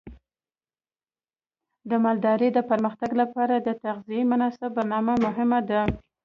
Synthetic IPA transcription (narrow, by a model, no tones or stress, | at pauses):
d̪əmɑld̪ɑɾəd̪əpaɾməxt̪aɡlapɑɾad̪ət̪aɣzijemʊnɑsab̚baɾnɑmamʊɦɪmad̪a